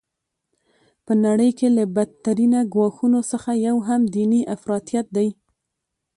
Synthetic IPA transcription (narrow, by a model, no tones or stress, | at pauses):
pənaɽəjkelabad̪̚t̪aɾinaɡwɑxunosəxajawɦamd̪iniʔafɾɑt̪jat̪̚d̪aj